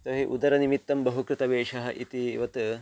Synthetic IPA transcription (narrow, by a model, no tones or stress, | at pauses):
t̪ɐɦiʔud̪ɐɾɐnimit̪ːɐmbɐɦukɾut̪ɐʋeːʂɐɦɐ̆ʔit̪iʋɐt̪